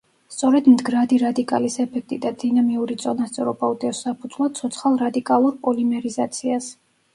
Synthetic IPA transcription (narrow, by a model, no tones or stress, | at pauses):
st̪sʼɔɾɛd̪md̪ɡɾad̪iɾad̪ikʼa̰lisɛpʰɛk̚ʰt̪ʼid̪ad̪inamiuɾit̪sʼɔnast̪sʼɛ̰ɾɔbaut̪ʼɛɔsːapʰud̪z̥vlˠat̪sʰɔt̪sʰχalˠɾad̪ikʼalˠuɾpʼɔlimɛɾizat̪sʰias